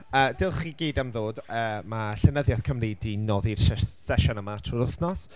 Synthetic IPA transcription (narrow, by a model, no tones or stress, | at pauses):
əːd̥ɪlˠχiːɡiːdamðoːdəːmaɬɛnəðjað̥kʰəmridinɔːðirsɛsɛʃɔnəmatʰrɔɾʊθnɔs